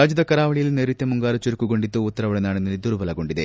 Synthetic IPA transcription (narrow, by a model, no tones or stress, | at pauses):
aːd͡ʑɐd̪ɐkɐɾaːʋɐɭijilneɾit̪jɐmuŋɡaːɾut͡ɕuɾukːuɡoɳɖit̪ːuut̪ːɐɾɐʋɐɭɐnaːnenːɐld̪uɾubɐlɐɡo̞ɳɖiðe